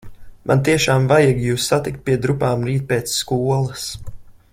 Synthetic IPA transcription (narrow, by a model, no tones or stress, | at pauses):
mʔa̰nt̪iɛʃaːmvajaɡjuːsːat̪ikt̪̚piɛd̪ɾupaːmɾiːt̪̚peːt̪sːkuɔlˠɐs